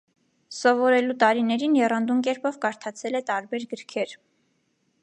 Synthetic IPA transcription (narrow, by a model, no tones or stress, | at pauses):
sɔvɔɾɛlut̪ɑɾinɛɾinjɛrɑnd̪umkɛɾpʰɔvkɑɾt̪ʰɑt͡sʰɛlɛt̪ɑɾbɛɾɡəɾkʰɛɾ